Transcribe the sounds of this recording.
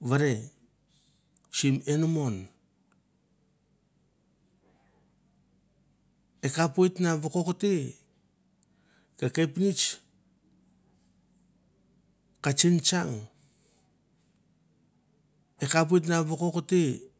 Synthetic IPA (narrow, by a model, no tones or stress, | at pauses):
βaɾe | t͡ʃime̞numo̞n | ekapojtnaβokokote | kakepnit͡ʃ | kat͡ʃint͡ʃaŋ | ekap̬ojt̬naβokokote